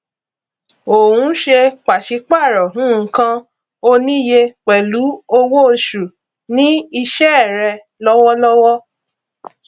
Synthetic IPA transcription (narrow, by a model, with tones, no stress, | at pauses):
o˨hũ˨˦ʃe˧k͡pa˨ʃi˨˦k͡pa˦˨ɾɔ˨ɦũ˨˦˨kã˧ | o˧nĩ˦je˧k͡pɛ˨lu˨˦o˧wo˦o˧ʃu˨ | nĩ˦i˧ʃɛ˦˨ɾɛ˧ | lɔ˦wɔ˦lɔ˦wɔ˦